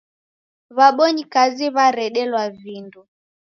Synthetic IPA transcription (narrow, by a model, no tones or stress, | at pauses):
βaɓɔɲikaziβaɾɛɗɛlwavindu